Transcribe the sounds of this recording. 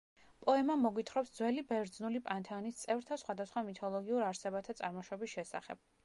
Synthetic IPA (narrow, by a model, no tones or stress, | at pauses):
pʼɔɛmamɔɡwit̪ʰχɾɔpsd̪zwɛlibɛɾd̪znulipʼant̪ʰanist̪sʼɛvɾt̪ʰasχwad̪asχwamit̪ʰɔlˠɔɡiuɾaɾsɛbat̪ʰat̪sʼaɾmɔʃwɔbisʃɛsa̰χɛ̰b̥̚